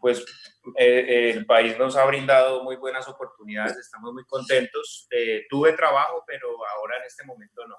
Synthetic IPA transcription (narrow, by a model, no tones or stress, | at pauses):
pwe̞selpaizno̞saβɾind̪aðo̞mujbwe̞naso̞po̞ɾt̪uniðaðese̞st̪amozmujko̞nt̪e̞nt̪o̞set̪uβe̞t̪ɾaβaxope̞ɾo̞ao̞ɾaene̞st̪e̞mõ̞mẽ̞nt̪o̞no